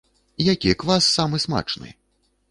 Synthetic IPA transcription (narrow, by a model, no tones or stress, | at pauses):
jakʲikvasːamɨsma̰t͡ʂnɨ̰